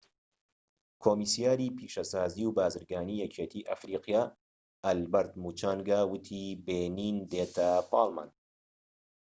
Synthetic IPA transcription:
kʰoːmisjaːɾiːpʰiːʃɐsaːziːwbaːzɨɾɡaːniːjɐt͡ʃʰeːt̪ʰiːʔɐ̰fɾiːqjaː | ɐlbɐɾt̪muːt͡ʃaːŋɡaːwɨt̪ʰiːbeːniːnd̪eːt̪ʰɐpʰɑːlma̰ːn

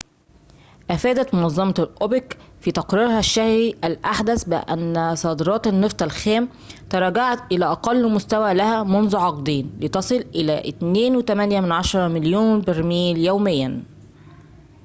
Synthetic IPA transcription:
ʔæfæːd̪æt̪monɑzˤːɑmɑlʔobekfit̪ɑqɾiːɾhæʃːæhɾiʔælʔaħd̪æsbɪ̰ʔæ̰nːsˤɑːd̪ɾˤɑːt̪ɑnːɨft̪ˤælxæːm | t̪ɑɾˤɑːɡaʕat̪ʔɪlæːʔɑqɑlːmʊst̪æwæːlæhæːmonzuʕɑqd̪iːnlet̪ɑsˤɨlʔɪlæːʔɪt̪neːnwet̪æmænjæmɪnʕɑʃɑɾˤɑmɪljuːnbɪɾmiːljæwmɪjːæn

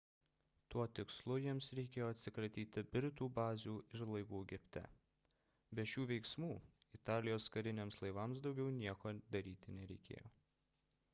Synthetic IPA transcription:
t̪uɔt̪ʲɪkslˠʊjiɛmsɾʲɛkʲeːjoːɐt̪ʲsʲɪkɾɐt̪ʲiːt̪ʲɪbʲɾʲt̪uːbɑːzʲuːɪɾlˠɐɪʋuːɡʲɪpʲt̪ʲɛ̰ | bʲɛʃʲuːʋʲɛɪksmuːɪt̪ɑːlʲɪjoːskɐɾʲɪnʲeːmslˠɐɪʋɑːˑmsd̪ɒʊɡʲɛʊnʲiɛkoːd̪ɐɾʲiːt̪ʲɪnʲɛɾʲɛɪkʲḛːjoː

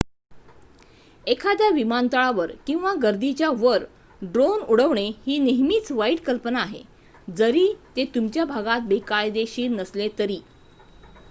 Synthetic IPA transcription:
ekʰad̪jaʋimant̪əɭaʋəɾkĩw̃ʋaɡəɾd̪it͡ɕjaʋəɾ | ɖɾonuɽəʋɳehiːneɦmiːt͡sʋaiʈkəlpənaːɦḛ | d͡zəɾiːt̪et̪umt͡ɕjabʱaɡat̪̚bekajd̪eɕiːɾnəslet̪əɾiː

